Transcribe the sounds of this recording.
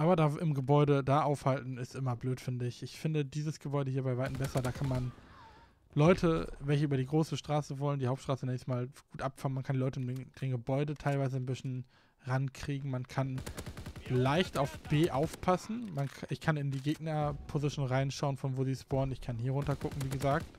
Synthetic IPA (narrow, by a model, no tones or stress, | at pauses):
ʔaːbɐdaːʔɪmɡəbɔʏdədaːʔaʊfhaltn̩ɪstʔɪmɐbløːtfɪndəɪçɪçfɪndədiːzəsɡ̥əbɔʏɾəhiːɐbaɪvaɪtn̩bɛsɐdaːkʰanman | lɔʏtʰəvɛlçəʔyːbɐdiːɡʁoːsəʃtʁ̥aːsəvɔləndiːhaʊp̚tʃtʁ̥aːsənɛnçmaːlɡ̥uːtʔapfaənmankʰandilɔʏtəndend̥enɡəbɔʏdətʰaɪlvaɪzənbɪsn̩ | ʁankʁ̥iːɡŋ̩mankʰan | laɪçtʔaʊfb̥eːʔaʊfpʰasn̩manʔɪçkʰanɪndiːɡeːɡnɐpʰozɪʃnʁaɪnʃaʊənfɔnvoːziːsb̥oːɐnɪçkʰanhiːɐʁʊntɐkʰʊkŋ̩viːɡəzaːk̚t